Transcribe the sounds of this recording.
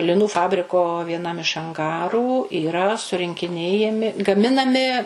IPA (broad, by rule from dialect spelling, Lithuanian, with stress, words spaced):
lʲɪˈnuː ˈfɑːbʲrʲɪkoː ʋʲiɛˈnɐm ɪʃ ɐŋˈɡɑːruː iːˈrɐ sʊrʲɪŋʲkʲɪˈnʲeːjɛmʲɪ ɡɐˈmʲɪnɐmʲɪ